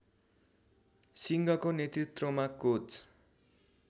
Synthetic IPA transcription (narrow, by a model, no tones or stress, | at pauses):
siŋɡʌkonet̪rit̪rʌmakot͡s